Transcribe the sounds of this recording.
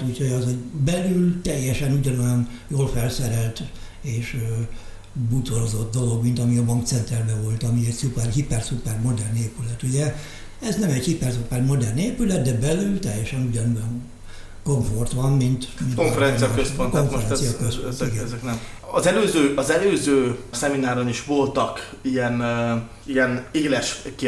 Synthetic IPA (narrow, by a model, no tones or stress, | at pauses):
t̪ucʰhojɒzhoɟbɛlylt̪ɛjːɛʃɛnuɟɒno̞jɒnjoːlfɛlsɛɾɛlt̪ | eːʃ | but̪oɾo̞zo̞d̪d̪o̞lo̞ɡmint̪ɒmiɒbɒŋkt̪sɛnt̪ɛrbɛvo̞lt̪ɒmiɛɟsupɛrɦipɛrsupɛrmo̞d̪ɛrneːpylɛt̪uɟɛ | ɛznɛmɛɟhipɛrsupɛrmo̞d̪ɛrneːpylɛt̪̚d̪ɛbɛlylt̪ɛjːɛʃɛnuɟɒnojoŋ | ko̞ɱfo̞rt̪ʋɒmmint̪minkofɛɾɛnsijɒkøsponkoɱfɛɾɛnsijɒkøspoiɡɛɛknɛm | ɒzɛløːzøːʔɒzɛløːzøːsɛminaːɾoniʃʋo̞lt̪ɒk | ijɛn | ijɛneːlɛʃk